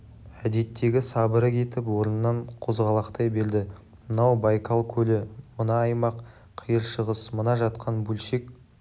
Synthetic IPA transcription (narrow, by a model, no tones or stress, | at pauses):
æd̪e̞t̪ːe̞ɡʲɪsɑbəɾəkʲʰe̞t̪ɪpwo̞ɾənənːɑɴqʰo̞zʁɑlˠɑqt̪ɑjbe̞ɾd̪ɪ | mənɑwbɑjkʰɑlˠkʲʰɵlɪmənɑːjmɑq | qʰijəɾʃəʁəsmənɑʒɑt̪qʰɑnbɵlʃek̚